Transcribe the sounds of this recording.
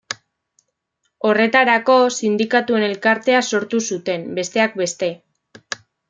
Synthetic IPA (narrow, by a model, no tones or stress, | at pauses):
o̞re̞t̪aɾako̞sind̪ikat̪ue̞ne̞lkaɾt̪e̞aso̞ɾt̪usut̪e̞mbe̞st̪e̞ak̚be̞st̪e̞